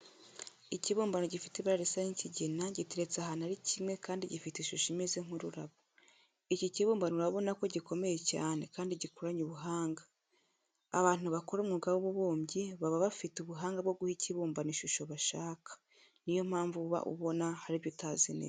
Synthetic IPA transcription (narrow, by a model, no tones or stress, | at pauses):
iciβuːmbanoɟifi̥teβaɾaɾisaɲiciɟinaɟitiɾe̞t͡saɦanaɾicʰimwe̞kaːndiɟifiteʃuʃimezeŋuɾuɾaβo | iciciβuːmbanuɾaβo̞nako̞ɟiko̞me̞je̞ca̰ːne̞kaːndiɟikuɾaɲuβuɦaːŋɡḁː | βaːn̥uβakoɾumŋuuɡaβoβuβoːmɟiβaβaβafituβuɦaːŋɡabɡo̞ɡuhiciβuːmbaniʃuʃo̞βaʃaːkḁ | nijo̞m̥aːɱvuβa̰ʔṵβo̞nahaɾiβjutazinḛ